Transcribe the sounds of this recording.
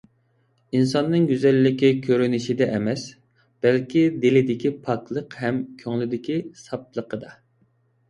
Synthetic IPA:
insɑnːɨŋɡʲyzɛlːɪkʲikʲʰøɾynɪʃid̪ɛʔɛmɛs | b̥ɛlkʲid̪elɪd̪ɪkʲipʰɑklˠəqhɛmkʲʰøŋlɪd̪ɪkʲisɑp̚lˠəqəd̪ɑ

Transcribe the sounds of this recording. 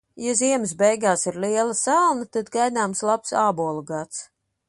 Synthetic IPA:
jaziɛməs̬bɛjɡaːsiɾliɛlˠɐsalˠnɐt̪ad̪ɡajnaːmslˠapsaːbuɔlˠuɡat̪s

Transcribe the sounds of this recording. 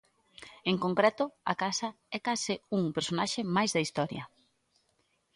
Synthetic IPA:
eŋkõŋkɾɛt̪ʊɐ̰kasɐ | ɛkasɪuŋpeɾsonaʃɪmajzðɐist̪ɔɾjɐ

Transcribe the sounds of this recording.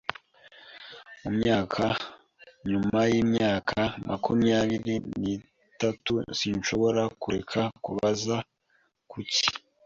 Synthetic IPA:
umɲaːkʰa | ɲumajiːmɲaːkʰamʔakumijaβiɾini | tatusiːɲʃo̞βo̞ɾakuɾekʰakuβaza | kʰuci̥

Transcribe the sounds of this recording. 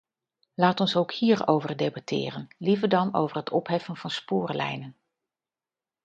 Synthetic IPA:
laːtɔnsowkhiːɹowvərdejbɑtʰɪ̰ːrənlivəɹdɑno̰wvərɦətʰɔpɦɛfənv̥ɑnspʊːrlɛ̰jnən

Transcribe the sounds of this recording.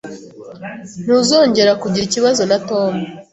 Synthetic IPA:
n̥uzo̞ːɲɟe̞ɾakuɟiɾiciβazo̞nato̞ːmu

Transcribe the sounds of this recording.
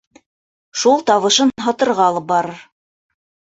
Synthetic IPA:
ʃulˠt̪ɑβɤ̆ʃɤnɦɑt̪ɤ̆ɾʁɑlˠɤp̚bɑɾɤɾ

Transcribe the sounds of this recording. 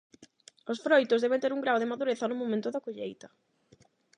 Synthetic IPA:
osfɾojt̪ʊzðɛβent̪eɾuŋɡɾawðɪmaðuɾeθɐnʊmõmẽnt̪ʊðakoʎejt̪ɐ

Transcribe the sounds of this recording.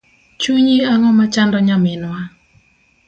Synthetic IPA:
t͡ʃuɲiaŋɔmat͡ʃandɔɲamɪnwa

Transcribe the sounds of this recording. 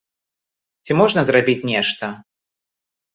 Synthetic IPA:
t͡sʲimɔʐnɐzɾabʲit͡sʲnʲɛʂt̪ɐ

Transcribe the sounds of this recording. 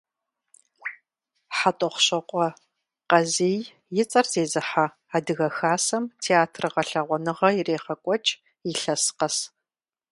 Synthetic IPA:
ħatʼɔχʷɕɐqʷʼɔ | qɐzeːj | jɪt͡sʼɐrzeːzɨħa | aːdɨɣɐxaːsɐmtʰeaːtʰrɨʁɐɬɐʁʷɔnɨʁɐjɪreːχɐkʷʼɔt͡ʃʼ | jiɬɐsqɐs

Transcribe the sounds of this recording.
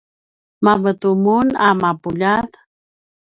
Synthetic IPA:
mamət̪umunamapuʎat̪

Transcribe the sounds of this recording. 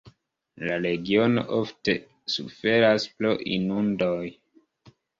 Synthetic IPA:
laɾe̞ɡio̞no̞̰ʔo̞fte̞ | sṵfe̞ɾasploʔḭnundoj

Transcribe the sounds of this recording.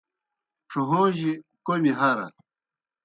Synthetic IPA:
ʈ͡ʂʰuɦoːʑikomiɦɐɾɐ̰

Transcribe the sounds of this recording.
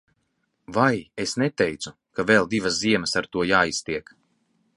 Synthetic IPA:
vajesnɛt̪ɛjt̪su | kavɛlˠd̪ivasziɛməsaɾt̪uɔjaːist̪iɛk

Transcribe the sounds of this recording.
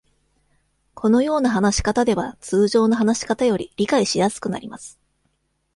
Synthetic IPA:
kʰo̞no̞jo̞ːnaɦanaɕi̥kat̪ad̪e̞β̞at͡sɨːʑo̞ːnoɦanaɕi̥kat̪ajo̞ɾʲiɾʲikaiɕijasɨ̥kɯ̟na̰ɾʲimasɨ̥

